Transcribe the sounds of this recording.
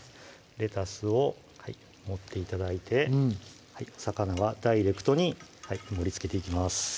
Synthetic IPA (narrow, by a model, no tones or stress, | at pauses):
ɾe̞t̪asɨo̞ | hai | mo̞t̪ːe̞it̪ad̪ait̪ʰe̞ | haisakanaβad̪aiɾe̞kɯ̟̥t̪o̞ɲ̟ihaimo̞ɾʲit͡sɨ̥ke̞t̪e̞ikʲimasɨ̥